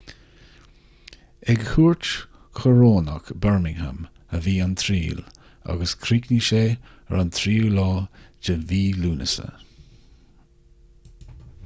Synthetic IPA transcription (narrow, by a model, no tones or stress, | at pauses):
ɛɡhuːɹt͡ʃ | kʰəɹoːna̰kbɛɹmɪŋha̰m | əviːant̪ʰɾiːl | a̰ɡəskʰɾiːkniʃeː | əɹant̪ʰɾiːlɑːd͡ʒəviːluːnəsə̰